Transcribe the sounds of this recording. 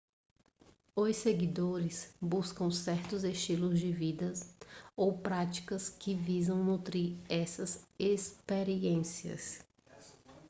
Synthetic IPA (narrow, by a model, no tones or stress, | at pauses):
ojseɡid̪oɾɪsbuskɐ̃w̃sɛɾt̪ʊzeʃt͡ʃilʊzd͡ʒɪvid̪ɐsowpɾat͡ʃi̥kɐskɪvizɐ̃w̃nut̪ɾiɾɛsɐzespeɾiẽsiɐ̰s